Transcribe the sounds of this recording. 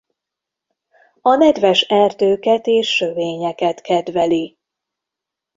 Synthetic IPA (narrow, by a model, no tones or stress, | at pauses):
ɒnɛd̪vɛʃɛrt̪øːkɛt̪eːʃːøveːɲɛkɛt̪kɛd̪vɛli